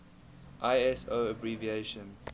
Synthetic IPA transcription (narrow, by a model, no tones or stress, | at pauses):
ʔaɪɛsoːəbɹivieʃə̃n